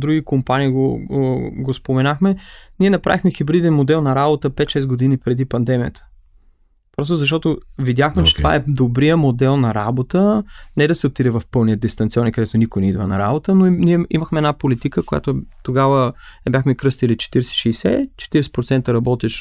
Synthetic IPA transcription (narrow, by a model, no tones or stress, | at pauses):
d̪ɾuɡʲikompaniːɡo | ɡospomɛnaxmɛniɛnɐpɾa̰vixmɛxibɾid̪ɛnmod̪ɛlˠnɐɾabot̪əpɛt̪ʃɛsɡod̪inipɾɛd̪ipɐnd̪ɛmijə̰t̪ʰə̥ | pɾɔst̪ozɐʃ̬t̪ɔt̪ovid̪jaxmɛt͡ʃɛ̥t̪va̰ɛd̪obɾijəmod̪ɛlˠnɐɾa̰bot̪ənɛd̪ɐsɛot̪ːid̪ɛvɐfpɤlˠnijəd̪ist̪ɐnt̪siɔnikɐd̪ɛt̪onikojnɛid̪vənɐ̰ɾa̰bot̪ənoniɛiməxmɛɛd̪napolit̪ikəkoja̰t̪ot̪oɡavəɛbʲjaxmɛkɾɤst̪ilit͡ʃɛ̥t̪iɾɛsɛ̥ʃɛːsɛ̰t͡ʃɛ̥t̪iɾɛsɛ̥pɾot̪sɛnt̪əɾɐbɔt̪ɛʃ